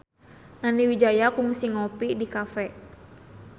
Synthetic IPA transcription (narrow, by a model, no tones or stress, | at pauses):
naniwid͡ʒajakuŋsiŋɔpidikafɛ